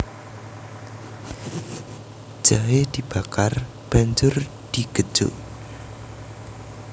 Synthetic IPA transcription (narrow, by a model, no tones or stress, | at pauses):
d͡ʒ̥aɦed̪̥ib̥akar | b̥aɲd͡ʒʊr | d̪̥iɡ̥ə̥d͡ʒʊ̰ʔ